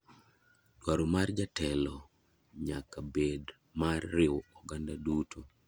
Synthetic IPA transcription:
twaɾomard͡ʒatɛlɔ | ɲakabed | marːɪwɔɡandadutʰo

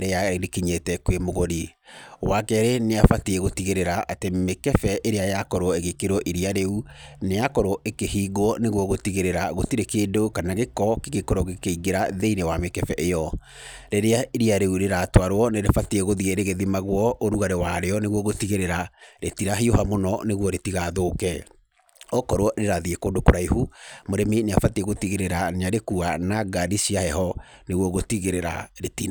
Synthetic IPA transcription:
ɾeaeɾekiɲetɛkwemoɣoɾi | wakɛɾeneafatiɛɣotiɣeɾeɾaʔatemekɛfɛʔeɾeajakɔɾoeɣekeɾwɔʔiɾiaɾeunejakɔɾoʔekehiːɡwɔneɣwɔɣotiɣeɾeɾaɣotiɾekeːdokanaɣekɔkeɣekoɾoɣekeiɡeɾaðeiɾewamekɛfɛʔejɔ | ɾeɾeaɾiaɾeuɾeɾaːtwaɾwɔneɾefatiɛɣoðiɣɛɾeɣeðimaɣwɔʔoɾuɣaɾewaɾeɔneɣwɔɣotiɣeɾeɾaɾetiɾaɦioɦamonɔneɣwɔɾetiɣaðoːkɛ | ɔkɔɾowɔɾeɾaðiekoːndokoɾaihumoɾemeneafatiɛɣotiɣeɾeɾaneaɾekuanaɡadisiahɛɦɔ | neɣwɔɣotiɣeɾeɾa̰ɾetin

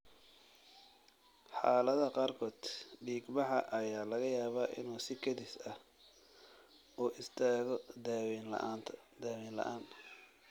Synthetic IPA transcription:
ħɑːlɐðɐqɑːrkʰɔːd̪ɖiːɡbɑħɑʔɐjaːlɐɣɐjaːβaːʔɪ̰nuːsɪkʰɐðɪsɐh | uːʔɪst̪ʰaːɣɔd̪aːwinlɐ̰nt̪ʰd̪aːwiːnlɐ̰ʔaːn

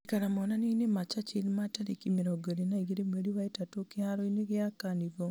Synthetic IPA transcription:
ikaɾamɔnaninemat͡ʃat͡ʃelmataɾekimeɾoɡoɾenaiɡiɾemweɾiwaetatokiaɾɔineɡeakaniɡo

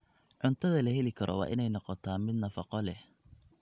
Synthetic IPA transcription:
ʕʊnt̪ʰɐðɐlɐɦɛlɪkʰɐɾʔɔ̰wɑ̰ːʔɪnɛjnɔqɔt̪ʰaːnmɪd̪nɐfɑqɔlɛh

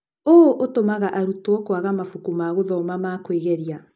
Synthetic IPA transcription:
oʔotomaɣaʔaɾutwɔkwaɣamafukumaɣoðɔmamakweɣɛɾia

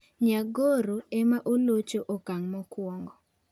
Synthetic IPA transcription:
ɲaɡoɾoɛmaʔolot͡ʃoʔokaŋmɔkwɔŋɡɔ

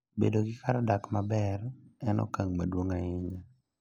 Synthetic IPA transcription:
bḛdoɡɪkaɾadakmabɛrɛnɔ̰kaŋmadwoŋaɪɲa

